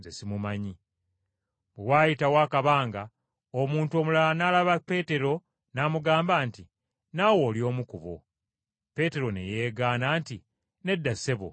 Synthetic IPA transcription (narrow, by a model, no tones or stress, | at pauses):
zesimumaɲi | βewaːjitawaːkaβaːŋɡa | omuːntuo̞ːmulalanalaβape̞ːte̞ɾo̞ | namuɡaːmbaːnti | nawo̞ːljo̞ːmukuβo̰ | pe̞te̞ɾo̞nḛje̞ːɡaːnaːnti | ne̞dːase̞βo̰